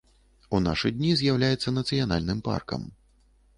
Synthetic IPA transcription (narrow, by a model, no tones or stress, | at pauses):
unaʂɨd̪ʲnʲizʲjawlʲajɛt̪sːɐnɐt̪sɨjana̰lʲnɨmpa̰rkɐ̰m